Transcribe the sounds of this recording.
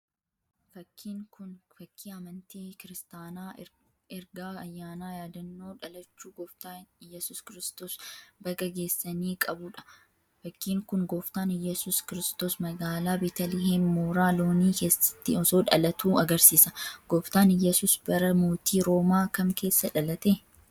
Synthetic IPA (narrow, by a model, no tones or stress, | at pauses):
fɐkʰːiːŋkʊnfɐkːiːɐmɐnt̪eːkɪɾɪst̪aːnaː | ɛɾɡaːɐjːaːnaːjaːd̪ɐnːo̞ːᶑɐlɐt͡ʃːuːɡoːft̪aːnjɛsʊːskɪɾɪːst̪o̞ːsbɐɡɐɡe̞ːsːɐniːkʼɐbʊᶑɐ̥ | fɐkʰːiːŋkʊnɡoːft̪aːnjɛsʊːskɪɾɪst̪oːsmɐɡaːlaːbit̪ɐlɪɦeːnmoːɾaːlo̞ːniːke̞ːsːɐ̥t̪ːɪ̰ɔso̞ːᶑɐ̰lɐt̪ʰuːɐɡɐɾsiːsɐɡ̥oːft̪aːnjɛsuːsb̥ɐɾɐmoːt̪iːɾo̞ːmaːkɐmke̞ːsːɐᶑɐlɐt̪e